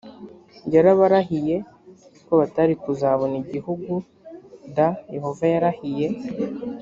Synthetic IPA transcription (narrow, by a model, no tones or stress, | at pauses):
ɟaɾaβaɾaɦije̞ | koβataɾikuzaβoniɟihuɡu | daje̞ho̞vajaɾahije̞